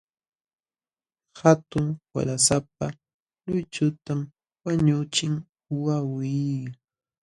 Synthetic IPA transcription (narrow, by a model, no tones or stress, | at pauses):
hat̪ʊŋwa̰ɾasap̚a | lʊjt͡ʃʊt̪am | waɲʊt͡ʃɪŋ | wawij